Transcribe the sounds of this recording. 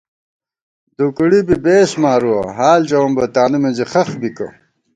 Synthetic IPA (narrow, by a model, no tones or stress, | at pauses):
d̪ukɽibibeːsmaːɾuwɐ̰ɦaːlt͡ɕɐwɐmbɐt̪aːnumenziχɐxbikɐ̰